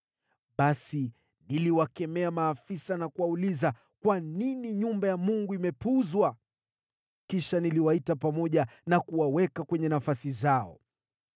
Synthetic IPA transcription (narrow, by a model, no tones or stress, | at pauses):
ɓasi | niliwakɛmɛamaːfisanakuwauliza | kwaniniɲumbajamuŋɡuimɛpuzwa | kiʃaniliwaitapamɔʄanakuwawɛkakwɛɲɛnafasizaɔ̰